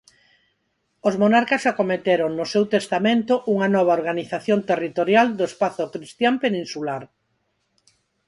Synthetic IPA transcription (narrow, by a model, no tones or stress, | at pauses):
ozmonaɾkɐsakomet̪eɾoŋnʊsewt̪est̪amẽnt̪ʊʔuŋɐnɔβ̞aoɾɣaniθaθjont̪erit̪oɾjald̪oespaθʊkɾist̪jampenĩnsulaɾ